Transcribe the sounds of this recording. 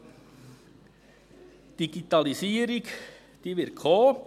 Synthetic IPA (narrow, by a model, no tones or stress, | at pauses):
d̪̥iɡ̥it̪ɑlisiːəɾɪɡ | d̪̥iːʋɪɾkʰoː